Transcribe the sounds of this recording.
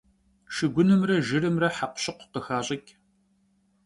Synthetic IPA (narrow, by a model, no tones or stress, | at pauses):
ʃɨɡʷʊnɨmrɐʒɨrɨmrɐħaqʷɕɨqʷqəxaːɕʼɪkʲʼ